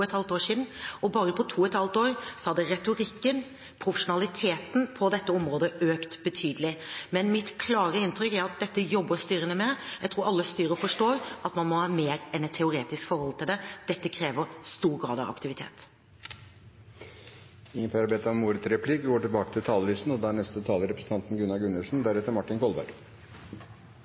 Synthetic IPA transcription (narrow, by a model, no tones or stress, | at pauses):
ɛt̪hɑlt̪oːʂiːd̪n̩ɔbɑːɾəpʰɔt̪ʰuːɛt̪hɑlt̪oːɾsɔhɑd̪ːəɾɛt̪ʊɾɪkːən | pʰɾʊfəʂʊnɑlɪt̪ʰeːt̪n̩pʰɔd̪ɛt̪ːəɔmɾoːd̪əøːkt̪b̥ət̪ʰyːd̪əlɪmɛnmɪt̪kʰlɑːɾəɪnt̪ɾʏkːæɾɑt̪̚d̪ɛt̪ːəjɔbːəst̪yːɾənəmɛjæɪt̪ʰɾuːɾɑlːəst̪yːɾəfɔʂʈoːɾʔɑt̪mɑnmɔhɑːmeːɾɛnɛt̪ʰːɛʊɾeːt̪ɪskfɔɾhɔlt̪ʰɪld̪ɛd̪̥ɛt̪ːəkʰɾeːʋəɾst̪uːɾɡɾɑ̰ːd̪ɑ̰ʋɑ̰kt̪ɪʋɪt̪ʰḛːt̪ | ɪŋənpʰɑɾɑbɛt̪ɑmuːɾət̪sɾɛpʰlɪkɡoːʈɪlbɑːkə̥t̪ʰɪlt̪ʰɑːləlyst̪n̩ɔd̪æɳɛst̪ət̪ʰɑːləɾɛpɾsn̩ɑnt̪n̩ɡʉnːɑɡʉnəlsn̩d̪æɾɛt̪ːəɾmɑʈːɪnkʰɔlˠbæ̰ɖ